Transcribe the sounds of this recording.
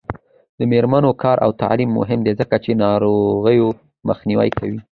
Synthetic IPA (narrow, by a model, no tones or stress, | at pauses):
d̪əmeɾmanokɑɾʔa̰wt̪a̰ʕlimːʊ̰ɦɪmd̪ezəkat͡ʃenɑɾoɣəjo | məxniwa̰jkʰawi